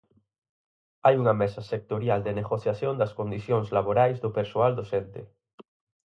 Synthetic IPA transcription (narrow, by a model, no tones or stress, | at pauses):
ajuŋamesasek̚t̪oɾjald̪eneɣoθjaθjond̪askond̪iθjoŋzlaβoɾajzðopeɾsoald̪osent̪e